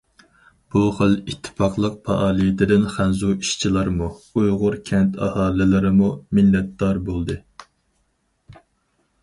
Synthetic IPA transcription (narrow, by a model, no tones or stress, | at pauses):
b̥uχəlit̪ʰːɨ̥pɑqlˠəq̚pʰɑʔɑːlˠijɪt̪ʰɪd̪ɪnχænzuiʃt͡ʃʰilˠɑɾmuujʁʊɾkʲʰɛnt̪ʰɑhɑːlɪlɪɾɪmumilːɛt̪̚d̪ɑɾbolˠd̪ɨ